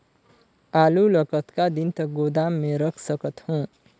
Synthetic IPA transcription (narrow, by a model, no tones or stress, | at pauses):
alulʌkʌt̪kad̪int̪ʌɡod̪amːẽɾʌkʰsʌkʌt̪hũ